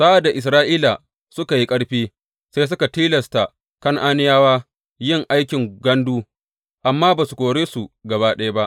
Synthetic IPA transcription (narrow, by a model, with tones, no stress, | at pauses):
sa˦ʔa˨da˨ʔɪ˨s̬ɾaː˦ʔiː˦la˨ | sʊ˦ka˨ji˦kʼɐ˦ɽɸiː˦ | sa˦js̬ʊ˦ka˨tiː˦lɐ˨sta˨ | kɐ˦ŋʔaː˦nɪ˦jaː˦waː˦ | jɪ˦ŋʔa˦jkʲɪ˨ŋɡɐ˦nduː˦ | ʔa˨mːaː˦baː˨su˨kʷʼoː˨ɽeː˦su˨ɡɐ˨βa˦ɗɐ˦ja˦ba˦ʔ